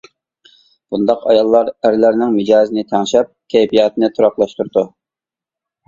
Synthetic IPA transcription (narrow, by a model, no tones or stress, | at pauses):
b̥und̪ɑqɑjɑlˠːɑɾæɾlæɾnɪŋmɪd͡ʒɑːzɨnɪt̪ʰæŋʃɛp̚kʲʰɛjpijɑːt̪nɪt̪ʰuɾɑqlˠɑʃt̪uɾd̪u